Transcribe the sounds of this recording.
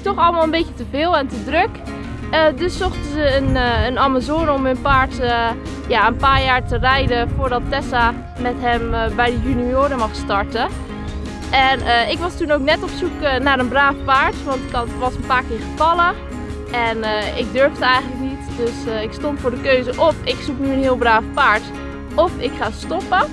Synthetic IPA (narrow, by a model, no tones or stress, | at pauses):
tɔxɑlˠəmaːlˠənbejətəvɪːlˠɛntədrɵk | ədɵsːɔχtəzəənənamazoːnəɔmɦɵnpaːɹtə | jaːənpaːɹjaːɹtərɛjdəfoːɹdɑtːɛsa | mɛtɦɛmbɛjdəjynioːɾəmɑχstɑɹtə | ʔɛnəɪkʋɑstunowknɛtɔpsuknaːɾənbraːfpaːɹtʋɑntɪktəʋɑsənpaːɹkɪːɹχəvɑlə | ʔɛnəɪk̚døɹvdəɛjχəntləknitdøsɪkstɔntfʊːɹdəkøɥzəʔɔfɪksuknyənɦɪːlˠbraːfpaːɹt | ɔfɪkχaːstɔpə